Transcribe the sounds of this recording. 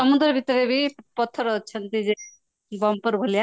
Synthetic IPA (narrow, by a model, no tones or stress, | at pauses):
sʌmud̪ɾʌbʱit̪ɾebʱipɔt̪ʰːəɾʌt͡ʃʰʌnt̪id͡ze | bʌmpəɾbʱolja